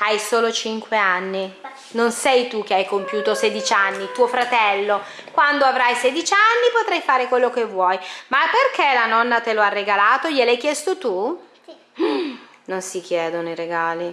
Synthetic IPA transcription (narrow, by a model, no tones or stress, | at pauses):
ajsoːlot͡ʃiŋkweanːi | nonsɛjt̪uk̟ːeajkompjuːt̪osed̪it͡ʃanːit̪uːofɾat̪ɛlːo | kwand̪oavɾajsed̪it͡ʃanːipot̪ɾajfaːɾekwelːokevːwɔjmapːerkelanɔnːat̪eloarːeɡalaːt̪oʎelajkjɛst̪ot̪u | nonsik̟jɛːd̪onoiɾeɡaːli